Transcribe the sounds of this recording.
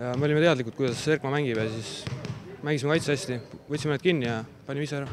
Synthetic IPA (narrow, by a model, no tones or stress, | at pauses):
jɑmeolʲimet̪e̞ɑd̪likˑut̪̚kujd̪ɑsserkmɑmæŋɡ̥ibesis | mæŋɡisimekɑjt̪seɑsʲt̪ivɤt̪ʲsʲimened̪̥̚kinːijɑpɑnʲimiseæɾɑ